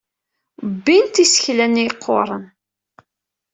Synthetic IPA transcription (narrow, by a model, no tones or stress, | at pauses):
bːint̪isə̥çlænjiqʰːo̰ɾˤən